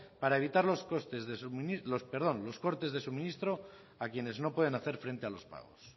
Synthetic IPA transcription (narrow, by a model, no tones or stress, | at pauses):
paɾae̞β̞it̪aɾloskost̪ezðesunilospeɾðo̞nlo̞sko̞ɾt̪e̞zðesumĩnist̪ɾo̞ | akje̞ne̞zno̞pwe̞ð̞e̞naθe̞ɾfɾe̞nt̪ealo̞spa̰ɣo̞̰s